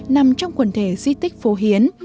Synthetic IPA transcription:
na˨˩mt͡ɕɔ˧wŋ͡mkwə˧˩nt̪ʰe˧˩zi˧t̪ï˦˥k̟̚fo˨˦ɦi˨˦ən

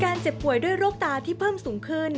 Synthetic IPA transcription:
kaː˧nt͡ɕe˨˩pːu˨˩əjdu˥˩əjɾoː˥˩k̚t̪aː˧t̪ʰiː˥˩pʰɤː˥˩msuː˩˦ŋkʰɯ˥˩n

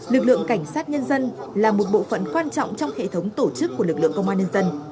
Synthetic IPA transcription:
lɨ˨˩k̚lɨ̰˧˨əŋka˧˩jŋ̟saː˦˥t̚ɲə˧nzə˧nlaː˨˩mo˨˩t̚ɓo̰˧˨fə̰˧˨nkwaː˧nt͡ɕɔ̰˧˨wŋ͡mt͡ɕɔ˧wŋ͡mhḛ˧˨t̪ʰə˨˦wŋ͡mt̪o˧˩t͡ɕɨ˦˥kːu˧˩əlɨ˨˩k̚lɨ̰˧˨əŋkə˧wŋ͡mʔaː˧ɲə˧nzə˧n

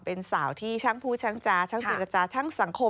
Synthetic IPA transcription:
pe˧nsaː˩˦wt̪ʰiː˥˩t͡ɕʰa˦˥˩ŋpʰuː˥˩t͡ɕʰa˦˥ŋt͡ɕaː˧t͡ɕʰa˦˥ŋt͡ɕe˨˧˩ɾa˧t͡ɕaː˧t͡ɕʰa˦˥˩ŋsa˨˩˦ŋkʰo˧

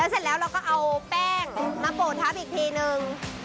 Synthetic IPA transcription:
lɛː˦˥wse˨˩t̪̚lɛː˦˥wɾa˧wkɔː˥˩ʔa˧wpɛː˥˩ŋmaː˧poː˨˩t̪̚ʰːaː˦˥˩pʔiː˨˩p̪ʰeː˧nɯ˧ŋ

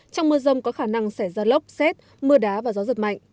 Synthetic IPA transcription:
t͡ɕɔ˧wŋ͡mmɨ˧əzə˧wŋ͡mkɔ˨˦xaː˧˩na˧ŋsa˧˩jzaː˧lə˦˥wk͡p̚sɛ˦˥t̚ | mɨ˧əɗaː˨˦vaː˨˩zɔ˨˦zɨ˨˩ma̰˧˨jŋ̟

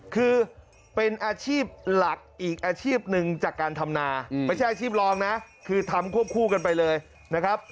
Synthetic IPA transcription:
kʰɯː˧ | pe˧nʔaː˧t͡ɕʰiː˥˩p̚la˨˩k̚ʔiː˨˩k̚ʔaː˧t͡ɕʰiː˥˩p̚nɯ˨˧ŋt͡ɕaː˨˩kːaː˧nt̪ʰa˧mnaː˧ma˧jʰa˥˩jʔaː˧t͡ɕʰiː˥˩p̚lɔː˦˧˥ŋna˦˥ʔ | kʰɯː˧t̪ʰa˧mkʰu˥˩əp̚kʰuː˧˩ka˧np̬a˧jlɤː˧j | na˦˥kʰɾa˦˥p̚

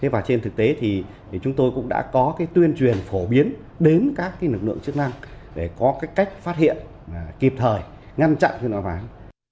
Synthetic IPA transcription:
t̪ʰe˨˦vaː˨˩t͡ɕe˧nt̪ʰɨ˨˩k̚t̪e˨˦t̪ʰi˨˩ | t͡ɕʊ˨˦ŋ͡mt̪o˧jkʊ̰˧˥ŋ͡mɗa̰ː˧˥kɔ˨˦kaː˨˦jt̪wi˧ənt͡ɕwi˨˩ənfo˧˩ɓi˨˦ən | ɗe˨˦nkaː˦˥kːaː˨˦jlɨ˨˩k̚lɨ̰˧˨əŋt͡ɕɨ˦˥ək̚na˧ŋɗe˧˩kɔ˨˦kaː˨˦jka˦˥jk̟̚faː˦˥t̚hḭ˧˨ən˨ | ki˨˩p̚t̪ʰəː˨˩j | ŋa˧nt͡ɕa̰˧˨nxnɔ˨˦jvaː˨˩˨j

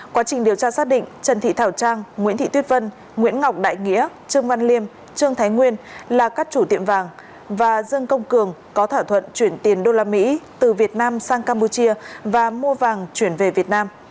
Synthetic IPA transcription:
kwaː˨˦t͡ɕï˨˩ŋɗi˨˩əwt͡ɕaː˧saː˦˥t̚ɗḭ̈˧˨ŋ̟t͡ɕə˨˩nt̪ʰḭ˧˨t̪ʰaː˧˩wt͡ɕaː˧ŋŋwi˧˥nt̪ʰḭ˧˨t̪wi˦˥t̚və˧n | ŋwḭ˧˥ənŋa˨˩wk͡p̚ɗa̰ː˧˨jŋḭ˧˥ə | t͡ɕɨ˧əŋva˧nli˧əm | t͡ɕɨ˧əŋt̪ʰaː˨˦jŋwi˧ənlaː˨˩kaː˦˥k̚t͡ɕu˧˩t̪ḭ˧˨əmvaː˨˩ŋ | vaː˨˩zɨ˧əŋkə˧wŋ͡mkɨ˨˩əŋkɔ˨˦t̪ʰaː˧˩t̪ʰwə̰˧˨nt͡ɕwi˧˩ənt̪i˨˩ənɗo˧laː˧mḭ˧˥t̪ɨ˨˩vi˨˩ət̚naː˧msaː˧ŋkaː˧mpu˧t͡ɕi˧əvaː˨˩mu˧əvaː˨˩ŋt͡ɕwi˧˩ənve˨˩vi˨˩ət̚naː˧m

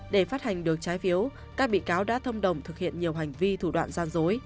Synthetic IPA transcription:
ɗe˧˩faː˦˥t̚ha˨˩jŋ̟ɗɨ˨˩ək̚t͡ɕaː˨˦jfi˨˦əw | kaː˦˥k̚ɓḭ˧˨kaː˨˦wɗa̰ː˧˥t̪ʰə˧wŋ͡mɗə˨˩wŋ͡mt̪ʰɨ˨˩k̚hḭ˧˨ənɲi˨˩əwɦa˨˩jŋ̟vi˧t̪ʰu˧˩ɗwa̰ː˧˨nzaː˧nzo˨˦j

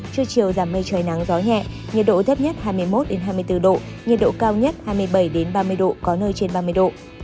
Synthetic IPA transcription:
t͡ɕɨ˧ət͡ɕi˨˩əwzaː˧˩mːə˧jt͡ɕəː˨˩jna˨˦ŋzɔ˨˦ɲɛ̰˧˨ | ɲi˨˩t̚ɗo̰˧˨t̪ʰə˦˥p̚ɲə˦˥t̚haː˧jmɨ˧əjmo˦˥t̚ɗe˨˦nɦaː˧jm˧əjt̪ɨ˧ɗo̰˧˨ | ɲi˨˩t̚ɗo̰˧˨kaː˧wɲə˦˥t̚haː˧jmɨ˧əjɓə˧˩jɗe˨˦nɓaː˧mɨ˧əjɗo̰˧˨kɔ˨˦nəː˧jt͡ɕe˧nɓaː˧mɨ˧əjɗo̰˧˨

